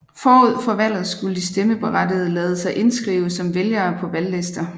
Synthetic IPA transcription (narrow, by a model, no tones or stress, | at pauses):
fɒːuð̞̰ˠfɒʋæl̰ð̞̩ˠsɡ̥uləd̥isd̥eməb̥e̝ʁɑd̥iðˠəlɛːð̞̩ˠəsɑ̈ɪʔe̝nsɡ̥ʁḭːʊəsɒ̽mʋeljɐːpʰɒ̽ʋælːesd̥ɐ